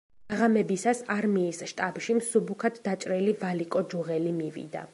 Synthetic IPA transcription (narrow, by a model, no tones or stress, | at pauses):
aʁamɛbisasaɾmiːsʃt̪ʼabʃimsubukʰad̪d̪at͡ʃʼɾilivalikʼɔd͡ʒuʁɛlimivḭd̪a̰